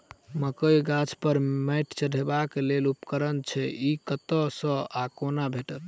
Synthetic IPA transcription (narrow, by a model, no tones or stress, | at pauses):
məkəjɡat͡ʃpəɾmɛʈt͡ʃəɽʱebakelelupkəɾənt͡ʃʰɛikət̪əsə̃akonabʱeʈəl